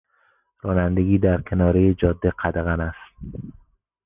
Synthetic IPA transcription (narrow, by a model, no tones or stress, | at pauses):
ɾɒːnænd̪eɡʲiːd̪æɾkʰenɒːɾejed͡ʒɒd̪ːeqʰæd̪eɣænæst̪̚